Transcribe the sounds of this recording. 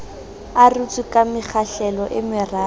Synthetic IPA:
arut͡sʼikamɪk͡xʰaɬɛlɔʔɪmɪraː

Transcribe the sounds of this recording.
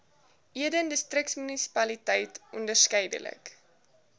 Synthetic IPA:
ʔiədəndəstrəksmynisi̥pɐlitɛjtʔɔndərskɛjdə̰lə̰k

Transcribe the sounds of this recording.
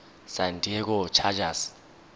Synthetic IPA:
santʼiɛk̬ɔt͡ʃʰad͡ʒas

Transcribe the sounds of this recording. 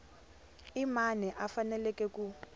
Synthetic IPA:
imanɛʔafanɛlɛkʼɛkʼu

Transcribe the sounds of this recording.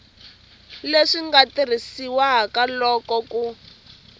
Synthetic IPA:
leʂiŋɡatir̤isiwaɦakalɔːkɔku

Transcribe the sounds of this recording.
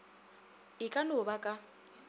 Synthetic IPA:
ɪkʼanʊbakʼa

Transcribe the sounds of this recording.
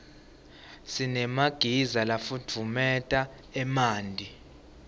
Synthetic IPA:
sinɛmaɡ̥ʱizalafud͡v̥ʱvumɛtʼa | ɛmaːndʱi

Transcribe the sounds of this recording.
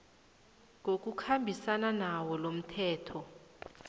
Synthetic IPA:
ŋok̬ʼukʰambʱisananawɔlom̩tʰɛːtʰɔ

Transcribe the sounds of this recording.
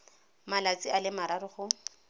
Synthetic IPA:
malat͡sʼialɪmaɾarʊχʊ

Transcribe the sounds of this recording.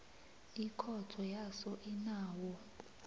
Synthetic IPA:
ikʰɔtʰɔjasɔʔinaːwɔ

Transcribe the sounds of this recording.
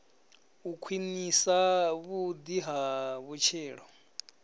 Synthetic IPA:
ukʰwinisaβud̪iɦaβut͡ʃʰiːɺɔ

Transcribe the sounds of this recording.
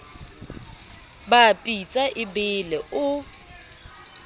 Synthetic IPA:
bapʼit͡sʼaʔɪbɪlɛʔʊ

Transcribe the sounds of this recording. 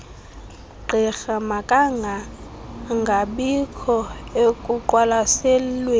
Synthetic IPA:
ɡ͡ǃʱɛxamakʼaŋʱa | ŋɡʱaɓikʰɔekʼuǃʼwalasɛlwe

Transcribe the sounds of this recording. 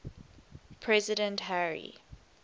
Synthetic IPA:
pʰɹɛzɪɾə̃ntɦæɹḭ

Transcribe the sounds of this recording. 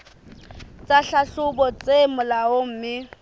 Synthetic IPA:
t͡sʼaɬaɬʊbɔt͡sʼemʊlaom̩ːmɪ

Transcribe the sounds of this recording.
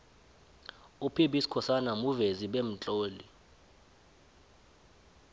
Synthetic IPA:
upʰiɓisi̥kʰɔsanamuveziɓem̩t͡ɬʼoːli

